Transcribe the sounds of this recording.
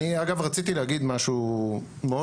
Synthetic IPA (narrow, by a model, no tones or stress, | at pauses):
iaɡavʁat͡sit̪ileaɡid̪maʃu | meo